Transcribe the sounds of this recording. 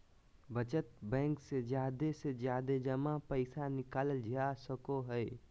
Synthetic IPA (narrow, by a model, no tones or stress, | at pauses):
bət͡ʃət̪bɛ̃ŋksed͡ʒjad̪esed͡ʒjad̪ed͡ʒəmapəɪsanikaːləld͡ʒʱiasəkoɦəj